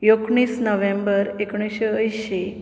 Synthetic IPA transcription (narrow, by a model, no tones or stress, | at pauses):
jokɳ̃iːsnəʋẽmbəɾekɳ̃iɕeəjɕe